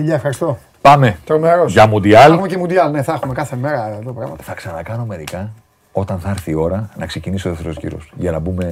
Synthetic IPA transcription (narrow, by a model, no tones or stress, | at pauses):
iʎɐefxɐɾist̪o | pɐme̞t̪ɾomeɾossʝɐmud̪iɐlxumecemund̪iɐlne̞θɐxumekɐθe̞me̞ɾɐðopɾɐɣmɐt̪θɐksɐnɐkɐno̞me̞ɾikɐ | o̞t̪ɐnθɐɾθio̞ɾɐnɐkse̞cinisoðet̪eɾocḭɾo̰sʝɐnɐbume̞